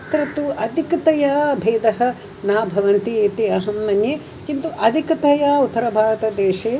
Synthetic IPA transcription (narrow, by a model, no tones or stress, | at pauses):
t̪ɾɐt̪uɐd̪ʱikɐt̪ɐjaːbʱeːd̪ɐɦɐ̆ | naːbʱɐʋɐnt̪ieːt̪iɐɦɐmːɐnjeː | kint̪uʔɐd̪ʱikɐt̪ɐjaːut̪ːɐɾɐbʱaːɾɐt̪ɐd̪eːʃeː